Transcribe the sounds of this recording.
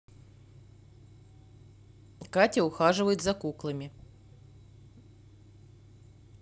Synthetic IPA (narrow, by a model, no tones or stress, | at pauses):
katʲɐʊxaʐɨvəjʊt̪zɐkuklˠɨmʲɪ